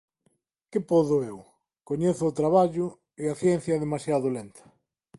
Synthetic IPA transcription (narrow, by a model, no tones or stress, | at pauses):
kɪpɔðʊew | koɲeθʊːt̪ɾaβaʎʊ | ɪaθjɛn̟θjɐðemasjaðolent̪ʰɐ̥